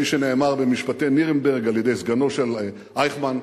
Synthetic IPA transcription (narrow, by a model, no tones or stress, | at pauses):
iʃene̞ːmaʁbemiʃpat̪ejniʁenbeʁɡaljed̪e̞jzɡano̞ʃel | ʔajχman